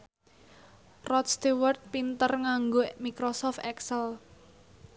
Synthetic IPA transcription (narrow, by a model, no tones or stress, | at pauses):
rɔt̪st̪iwərt̪̚pint̪ərŋaŋɡomikɾosɔft̪ɛksəl